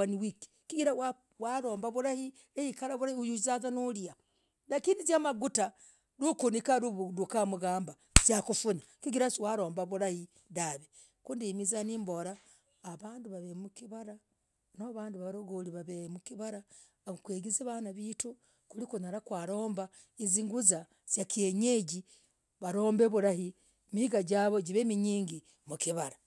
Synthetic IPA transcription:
aniwiki̥kiɡiɾawa | waɾo̞ːmbaβuɾahi | ejikaɾaβuɾahiujuzazanulia | nakiːndid͡ʒamaɡuta | ɾukunikaɾuɾukamuɡaːmba | d͡ʒakufuna | kiɡiɾasiwaɾo̞ːmbaβuɾahi | daβe | kuːndimizaniːmbo̞ɾaː | βaːndiβaβemukiβaɾa | noβaːndiβaβɾoɡoliβaβemukiβaɾa | kweːɡizeβanaβitu | kulikunaɾakwaːɾo̞ːmba | iziŋɡuza | z̥jakeɲeɟi | βaɾo̞ːmbe̞βuɾahi | mihiɡaɟaːβo̞ɟiβemiɲiːŋɡi | mukiβaɾa

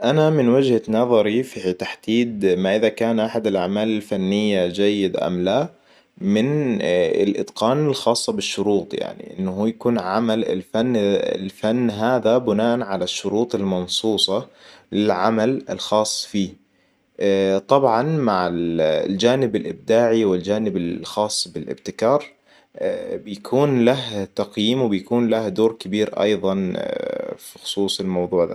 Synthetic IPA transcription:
ʔanamɪnwad͡ʒhanɑðˤɑɾifit̪aħd̪̥iːd̪maʔɪðakaːnʔaħad̪ɪlʔaʕmaːlɪlfanːɪjːad͡ʒajːɪd̪ʔa̰mla | mɪnɪ̰lʔɪ̰d̪qɑːnɪlxɑːsˤːɑbɪʃːʊɾuːt̪ˤja̰ʕnḭʔɪ̰nːahuːjakuːnʕamalɪ̰lfan̰ːlfanːɦaːðabʊnaːʔanʕalaʃːʊɾuːt̪ˤɪlmɑnsˤuːsˤɑlɪlʕa̰malɪ̰lxɑːsˤːfiː | t̪ˤɑbʕɑnmaʕɪlld͡ʒaːnɪbɪlʔɪb̚d̪aːʕiwɪld͡ʒaːnɪbɪxɑːsˤːbɪlʔɪ̰b̚t̪ɪkɑːɾˤ | bɪjakʰuːnlaht̪ɑqjiːmwbɪjkuːnlahd̪oːɾkabiːɾʔɑ̰jðˤɑn | fi̥xʊ̥sˤuːsˤɪlmɑwðˤuːʕða̰

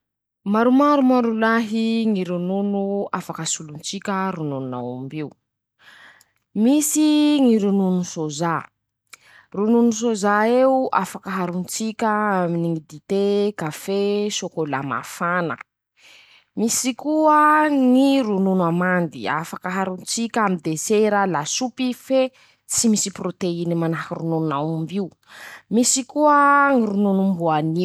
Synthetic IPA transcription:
maɾumaɾumaɾulaɦiŋiɾununuafakəsulunt͡sikʲəɾunununa̰wambiu | misiŋiɾununusoza | rununus̬ozaeuʔafakəɦaɾunt͡sikʲəaminiŋid̪it̪ekafesokola̰ma̰fanə̰ | misikuəŋiɾununamand̪ia̰fakəɦaɾunt͡sikʲamid̪eseɾalasupife | simisiprot̪einimanakiɾunununawumbiu | misikuəŋiɾununumbuani

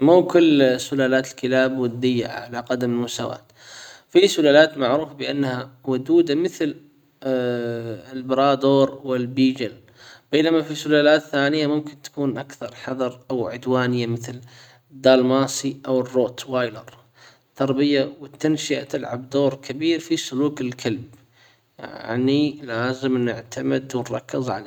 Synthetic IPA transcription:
mukʊlːsʊlaːlaːt̪ɪlkɪlaːbwɪd̪ːɪjːaʕa̰ʕalaqad̪amɪlmʊsa̰wa̰ːt̪ | fisʊlaːlaːt̪maʕɾuːfabɪʔanːhawʊd̪uːd̪amɪθl | ɪlbɾɑːd̪oːɾˤwɪlbiːd͡ʒal | b̥eːnamafisʊlaːlaːt̪θaːnɪjːamʊmkɪnt̪ḁkuːnʔakθɑɾˤħɑðˤɑɾˤʔawʕʊd̪waːnɪjːamɪθl | d̪ːaːlmaːsiʔawɪrːoːt̪waːjlɑɾˤ | t̪ʰːɑɾˤbɪjawɪt̪ːanʃɪʔa̰t̪ɪlʕa̰bd̪oːɾˤkʰabiːɾfisʊluːkɪlkʰalb̚ | ja̰ʕnilaːzɪmnɪʕt̪ʰamɪd̪wɪnɾˤɑkːɪzˤʕa̰la

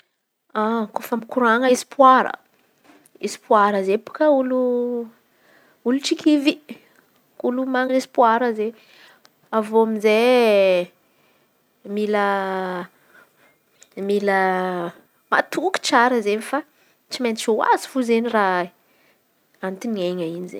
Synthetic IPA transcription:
akofamikuɾaŋəsi̥pwaɾə̰ | esi̥puaɾəzepu̥kəulu | uluʈ͡ʂikʲʰivi | ulumaŋinesi̥puaɾəze | avoamize | milə | milə | ma̰t̪uki̥ʈ͡ʂaɾəzenifa | t͡simenit͡ʃuwa̰zi̥fuzenira | ant̪inieɲainizḛ

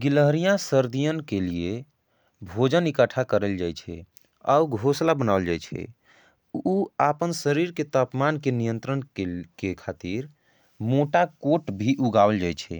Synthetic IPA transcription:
ɡiləɦɾijãsəɾd̪ijənkelie | bʱod͡ʒənikəʈʰakəɾəld͡ʒajt͡ʃʰɛ̰ | a̰uɡʱoslabənald͡ʒajt͡ʃʰɛ̰ | uapənsəɾiɾket̪apmankenijənt̪ɾənkekekʰat̪iɾ | moʈakoʈbʱiʔuɡabəld͡ʒajt͡ʃʰɛ̰

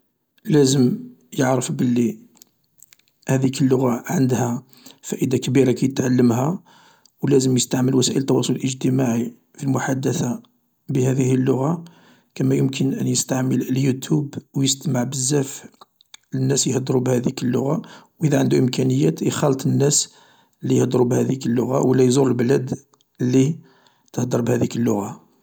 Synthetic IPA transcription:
læzəm | jəʕɾəfbəlːi | hæd̪ikəlːʊɣaʕənd̪hæ | fæʔəd̪akəbiɾakæjət̪ʕalːəmhæ | wlæzəmjəst̪aʕməlwæsæʔəlt̪ˤːɑwɑsˤoləlʔəʒt̪əmaʕi | filmʊħad̪ːəθa | bəhæd̪ihəlːʊɣa | kæmæjəmkʰənʔənjəst̪aʕmələljut̪ʰubwjəst̪əməʕbəzːæf | ənːæsjhd̪ɾubhæd̪ikəlːʊ̰ɣawʔid̪æʕənd̪uʔəmkænəjːæt̪ixɑlt̪ˤənːæs | lːijəhd̪ɾubhæd̪ikəlːʊɣawəlːæjzʊɾəlblæd̪ | əlːi | t̪əhd̪əɾˤbhæd̪ikəlːʊɣa

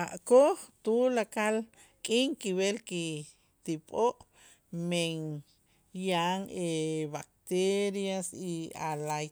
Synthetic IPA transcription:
aʔkoχt̪ulakal | kʼiŋkiβelki | t̪ipʼoʔ | meŋ | jaŋeβak̚t̪eɾjasialaj

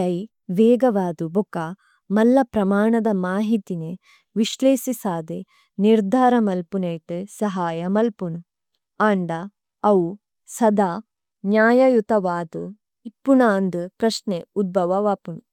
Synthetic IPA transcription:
ɐj | ʋeːɡɐʋaːd̪ubuka | mɐlːɐpɾɐmaːɳɐd̪ɐmaːɦit̪ine | ʋiʃleːsisaːd̪e | niɾd̪ʱaːɾɐmɐlpuneːʈɨsɐɦaːjɐmɐlpunu | aːɳɖɐ | ɐw | sɐd̪aː | njaːjɐjut̪ɐʋaːd̪u | ipːunaːnd̪ukɾɐʂneud̪̚bʱɐʋɐʋaːpunu

